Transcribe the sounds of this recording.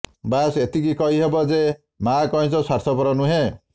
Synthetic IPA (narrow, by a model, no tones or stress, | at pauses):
baset̪ikikɔɦiɦebɔd͡ze | makɔɦĩt͡sɔsaɾsʰɔpɔɾɔnuɦe